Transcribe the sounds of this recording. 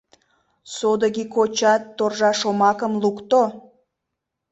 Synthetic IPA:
sod̪əɣikot͡ɕɑt̪ːorʒɑʃomɑkəmlukt̪o

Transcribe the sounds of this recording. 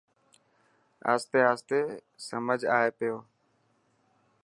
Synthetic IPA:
a̰ːst̪eːaːst̪eː | səməd͡ʒʱaːɦeːpɪjoː

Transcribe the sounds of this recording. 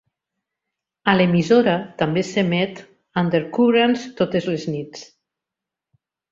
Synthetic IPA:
alemizoɾat̪ambesemɛt̪ | and̪eɾkuβɾanst̪ot̪ezleznit͡s

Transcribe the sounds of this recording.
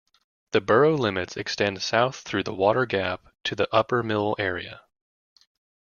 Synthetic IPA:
ðɨbɜ˞oʊlɪ̃mɨtsɨkstɛ̃nd̥saʊθɹʉðəwɔɾə˞ɡæp̚tʰɨðiʔʌpə˞mɪl̩ˠɛɹiɨ

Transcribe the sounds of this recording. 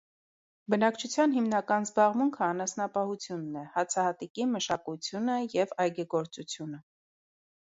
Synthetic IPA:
bənɑkt͡ʃʰut͡sʰjɑnɦimnɑkɑnzbɑʁmuŋkʰəɑnɑsnɑpɑhut͡sʰjunːɛhɑt͡sʰɑhɑt̪ikiməʃɑkut͡sʰjunəjɛvɑjɡɛɡɔɾt͡sut͡sʰjunə

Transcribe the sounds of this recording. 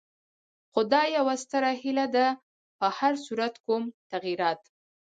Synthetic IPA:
xʊd̪ɑjawast̪əɾahilad̪a | pəhaɾsuɾat̪kumt̪aɣiɾɑt̪

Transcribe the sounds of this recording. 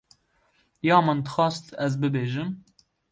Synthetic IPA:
jɑːmɨnd̪ɨxɑːst̪ɛzbɨbeːʒɨm

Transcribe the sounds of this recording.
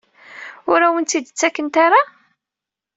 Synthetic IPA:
ʊɾæwənt̪id̪ət͡sːækːənt̪aɾa

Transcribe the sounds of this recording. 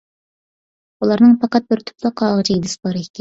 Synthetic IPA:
ulˠɑɾnɨŋpʰɑqɑt̪̚bɪɾt̪ʰʊ̥pʰlˠəqːɑːʁt͡ʃʰiid̪ɨsɨ̥bɑɾɨkʲɛ

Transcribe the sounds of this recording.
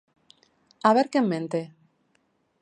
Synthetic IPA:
aβ̞eɾkemːẽnt̪e

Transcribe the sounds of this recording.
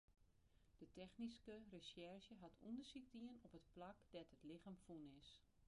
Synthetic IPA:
d̥ətʰɛxniskərəsɛrʃjəɦatʰundəsik̚diənɔpətplakd̥ɛtətlɪxamfunɪs

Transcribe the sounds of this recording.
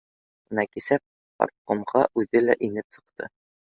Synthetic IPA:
nækisæp̚ | ɒ̰ɾt̪̚qŏmʁɑʔʉðɘlæʔinɘpsɤ̆q̚t̪ɤ̰

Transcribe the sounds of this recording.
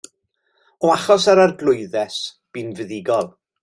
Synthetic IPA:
ɔaχɔsaɾarɡlˠʊɨðɛs | b̥invəðɪɡɔlˠ

